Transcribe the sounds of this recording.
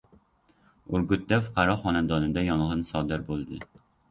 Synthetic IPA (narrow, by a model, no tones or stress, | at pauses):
ʊɾɡʊt̪̚d̪afʊ̥qʰɑɾɒχɒnad̪ɒnɪd̪ajɒɴʁɨnsɒd̪ɪɾbolˠd̪ɪ